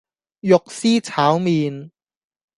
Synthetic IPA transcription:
jʊ˨k̚siː˥t͡sʰaː˨˥wmiː˨˧n

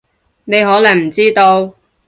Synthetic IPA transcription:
ne˨˧jɦɔː˨˥lɐ˨˩ŋm̩˨˩t͡siː˥t̪o˧w

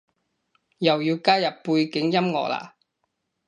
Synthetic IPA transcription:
jɐ˨˩wjiː˧wkaː˥jɐ˨pːu˧jkɪ˨˥ŋjɐ˥mŋɔ̰ː˨k̚la̰ː˨

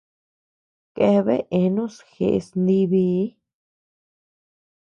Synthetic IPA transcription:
ke˧βḛ˦ʔe˧nũ˦sxḛ˨ʔsnd̪i˧βi˧˦

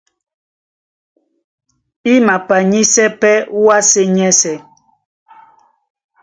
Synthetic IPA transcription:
i˦ma˨pa˨ɲi˦sɛ˦pɛ˦wa˦se˦ɲɛ˦sɛ˨

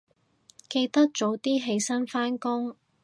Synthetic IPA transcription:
ke˧jt̪ɐ˥k̚t͡ʃo˨˥wt̪iː˥ɦe˧jsɐ˥nfaː˥nkʊ˥ŋ

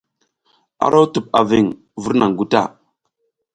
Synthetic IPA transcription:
a̰˦ɾʔa˦wtu˨p̚a˨vi˦˨ŋ | vu˦ɾna˨ŋɡu˦ta̰˦˨

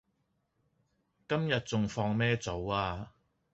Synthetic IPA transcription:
kɐ˥mjɐ˨t̚t͡sʊ˨ŋfɔː˧ŋmɛː˥t͡so˨˥waː˧

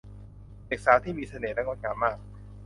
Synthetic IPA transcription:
leː˨˩k̚saː˨˦t̪ʰiː˥˩miː˧sʰa˧neː˨˩na˦˥ŋo˧˥˩kaː˧˦maː˥˩k̚

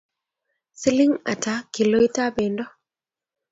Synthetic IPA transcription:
si˦lɪ˦ŋa̰˨ta˦ki˨lo˦i˦ta˦be˨ndɔ˦

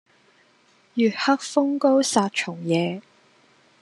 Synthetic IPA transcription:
jyː˨˩t̚hɐ˥k̚fʊ˥ŋko˥wsaː˧t̚t͡ʃʰʊ˨˩ŋjɛː˨˧

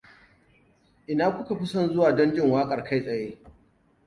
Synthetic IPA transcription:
ʔɪ˨naː˦kʷʊ˦ka˨ɸɪ˦sɔ˦˨nzʊ˦waː˨dɔ˦nd͡ʒɪ˦˨ŋwaː˦kʼɐ˨rka˦jsʼɐ˨jeː˦

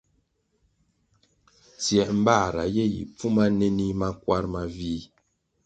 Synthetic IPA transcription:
t͡sjɛ˨ʔm̩˦ba˦˨ɾa̰˨je˦jḭ˨p͡fu˦ma˦ne˦ni˦ma˦kwa˦ɾma˨vi˦

